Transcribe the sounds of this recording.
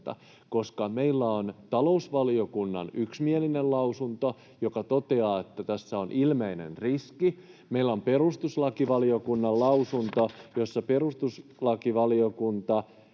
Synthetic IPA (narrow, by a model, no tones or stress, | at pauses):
t̪ɑ̰ | koskɑmeilːæont̪ɑlousʋɑliokunːɑ̰nyksmielinellɑusunt̪o | jokɑt̪ot̪eɑːet̪ːæt̪æsːæonʔilmeinḛnriski | meilːæomperust̪uslɑkiʋɑliokunːɑllɑusunt̪ojosːɑperust̪uslɑkiʋɑliokunt̪ɑ